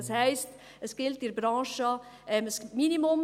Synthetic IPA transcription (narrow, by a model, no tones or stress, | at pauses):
ɑshɛɪst | əsɡ̥ɪltɪɾbɾɑ̃ːʃəɛməsminimʊm